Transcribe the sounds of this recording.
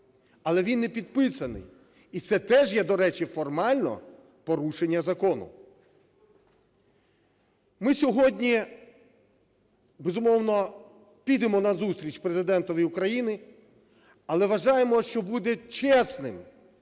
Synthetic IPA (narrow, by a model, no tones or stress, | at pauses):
ɐlˠɛʋʲinːepʲid̪̚pɪsɐnɪ̰j | it̪sɛt̪ɛʒjɛd̪ɔɾɛt͡ʃifɔrmɑlʲnɔ̰ | pɔɾuʃenʲːɐzɐkɔnʊ̰ | mɪsʲɔɦɔdʲnʲi | bezʊmɔwnɔ | pʲid̪emɔnɐzust̪ɾʲit͡ʃʲpɾezɪd̪ɛnt̪ɔʋjʊkɾɐjinɪ | ɐlˠɛʋɐʒɑjemɔʃt͡ʃɔbud̪ɛt͡ʃɛsnɪ̰m